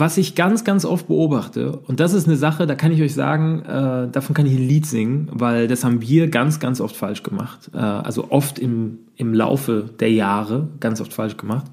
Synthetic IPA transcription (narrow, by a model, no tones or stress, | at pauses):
vasɪçɡ̥ant͡sɡ̥ant͡sʔɔft̚b̥əʔoːbaχtʰə̰ʊnt̚d̥asɪstnəzaχədaːkʰanɪç̬ɔʏçz̥a̰ːɡŋ̩ʔɛːdaːfɔnkʰanɪçanliːtz̥ɪŋənvaɪldashaːbm̩viːɐɡant͡sɡ̥ant͡sʔɔftfalʃɡ̥əma̰χtʔɛ̰ːʔa̰lzo̰ʔɔftɪm | ɪmla̰ʊfəd̥eːɐjaːʁəɡ̥ant͡sʔɔ̰ftfalʃɡ̥əmaχt